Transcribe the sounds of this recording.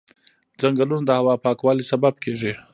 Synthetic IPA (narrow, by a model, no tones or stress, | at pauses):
d͡zaŋɡalunad̪əhawɑpɑkwɑlisabab̚kʰeʐi